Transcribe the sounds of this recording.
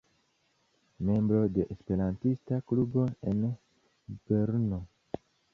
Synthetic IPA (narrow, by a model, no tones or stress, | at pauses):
me̞mbɾo̞de̞ʔespe̞ɾantistaklubo̞e̞n | b̥eɾno